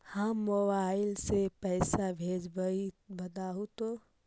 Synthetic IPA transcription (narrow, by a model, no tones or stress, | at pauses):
hãmobaːɪlsepɛːsabʱeːd͡ʒbəibɐd̪aːɦut̪o